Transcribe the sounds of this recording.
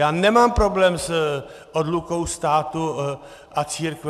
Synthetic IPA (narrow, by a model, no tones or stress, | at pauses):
jaːnɛmaːmpɾoblɛːms | ʔod̪luko̞wst̪aːt̪u | ʔat͡siːɾk